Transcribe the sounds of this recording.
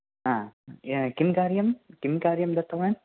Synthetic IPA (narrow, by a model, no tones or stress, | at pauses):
ãː | kimkaːɾjɐmkimkaːɾjɐmd̪ɐt̪ːɐʋaːn